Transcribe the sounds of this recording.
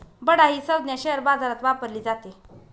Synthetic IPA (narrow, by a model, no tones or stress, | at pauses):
bəɽaɦiːsəwd̪njaɕeɦəɾbad͡zaɾat̪ʋapəɾliːd͡zat̪e